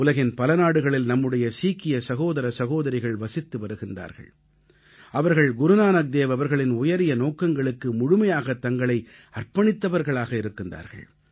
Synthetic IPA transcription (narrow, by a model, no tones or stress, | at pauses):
ʊlɐɣɪnpɐlɐnaːɽɯɣɐɭɪlnɐmːɯɽɐjɐsiːkːɪjɐsɐɣoːðɐɾɐsɐɣoːðɐɾɪɣɐɭʋɐsɪt̪ːɯʋɐɾɯɣɪndra̰ːɾɣɐ̰ɭ | ʔɐʋɐɾɣɐɭɡʊɾɯnaːnɐk̚d̪eːʋɐʋɐɾɣɐɭɪnʊjɐɾɪjɐnoːkːɐŋɡɐɭɯkːɯmʊɽʊmɐjaːɣɐt̪ːɐŋɡɐɭɐɪ | ɐrpɐɳɪt̪ːɐʋɐɾɣɐɭaːɣɐɪɾɯkːɯndra̰ːɾɣɐ̰ɭ